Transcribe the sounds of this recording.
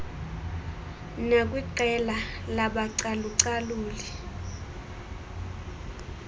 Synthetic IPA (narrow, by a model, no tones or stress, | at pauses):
nak̬ʼwiǀɛlalaɓaǀaluǀaluːli